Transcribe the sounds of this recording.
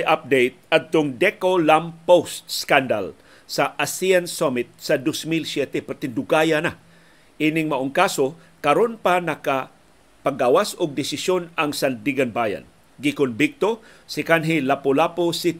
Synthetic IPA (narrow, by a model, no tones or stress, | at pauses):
jʔap̚d̪ejt̪̚ad̪̚t̪ʊŋd̪ɛkolampost̪skand̪a̰l | saʔasiansomɪt̪̚sad̪osmilsjɛt̪ɛpaɾt̪ɪnd̪ʊɡajana | ʔiːnɪŋmaʔʊŋkaso | kɐɾonpanaka | paɡawasʊɡ̚d̪ɪsɪsjonaŋsand̪iɡanbaːja̰n | ɡɪkʊnbɪk̚t̪o | sɪkanɦɪlapolaposɪ